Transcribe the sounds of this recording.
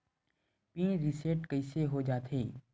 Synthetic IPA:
pĩːɾɪseʈkɐiseɦod͡ʒaːt̪ʰeː

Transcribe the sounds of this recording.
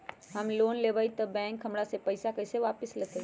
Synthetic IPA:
ɦəmloːnlebəjt̪əbɛ̃ŋkɦəmɽasepəɪsakəjseʋapɪslet̪ʰe

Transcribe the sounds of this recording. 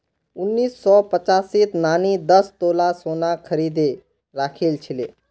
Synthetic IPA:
ʊnːiːsːɔpət͡ʃaːsit̪naːnid̪əst̪oːlasoːnakʰəɾiːd̪e | ɾaːkʰeːlt͡ʃʰɪlḛː

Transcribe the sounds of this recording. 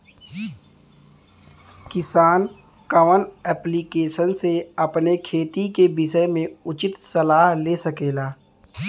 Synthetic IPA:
kɪsaːn | kəʋənɛːpliːkeːʃənseɐpnekʰeːt̪ikebɪʃəmẽʊt͡ʃɪt̪sɐlaːɦleːsəkeːlaː

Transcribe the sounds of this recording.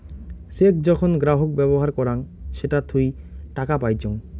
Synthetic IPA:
sekʰd͡ʑɔkʰonɡɾaɦok̚bɛboɦaɾkɔɾaŋʃeʈat̪ʰujʈakapajt͡ɕʰoŋ

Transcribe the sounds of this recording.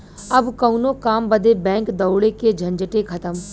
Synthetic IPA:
ɐbkɐunõkaːmbəd̪ebɛ̃ːŋkd̪ɐwɽeked͡ʒʱɐ̃ɲd͡ʒʈekʰɐt̪əm

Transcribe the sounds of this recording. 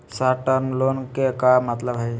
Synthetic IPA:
saʈənlonkekamat̪ləbʱaj

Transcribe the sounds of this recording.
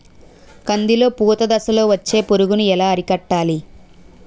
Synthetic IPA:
kɐnd̪ilo̞ːpuːt̪ɐd̪ɐsɐlo̞ːʋɐt͡ʃːe̞ːpoɾuɡunuɛlaːɐɾikɐʈːaːli

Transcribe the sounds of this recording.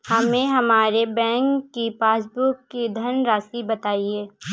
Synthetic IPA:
hɐmẽɦɐmaːɾebɛ̃ːŋkːipaːs̬bʊkːid̪ʱɐnɾaːsibɐt̪aːieː

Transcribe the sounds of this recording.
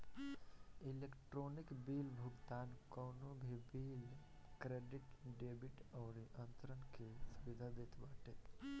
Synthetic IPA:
ilekʈɾonikbiːlbʱʊɡt̪aːnkəːnobʱibiːl | kɾeːɖiʈɖeːbiʈɔːɾiʔənt̪ɾənkesuʋid̪ʱad̪et̪baːʈe

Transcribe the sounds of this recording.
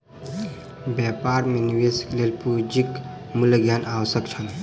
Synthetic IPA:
bjapaːɾmeniʋeskelelpud͡ʒik | mulɡjanawəsjəkt͡ʃʰəl

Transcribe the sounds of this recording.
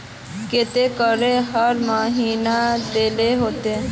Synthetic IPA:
ket̪ekəɾeɦəɾmãɦiːnad̪eːleɦoːt̪e

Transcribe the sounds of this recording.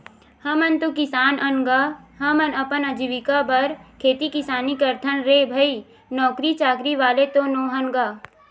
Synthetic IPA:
hɐmənt̪okɪsaːnɐnɡaɦɐmənɐpənəd͡ʒiʋɪkabɐɾkʰeːt̪ikɪsaːnikɐɾt̪ʰənɾeːbʱəi | nɔːkɾit͡ʃaːkɾiʋaːlet̪onoːɦɐnɡaː

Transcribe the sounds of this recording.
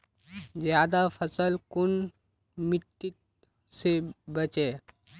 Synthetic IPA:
d͡ʒjaːd̪apʰəsəlkun | miʈ̪ːit | sebət͡ʃe

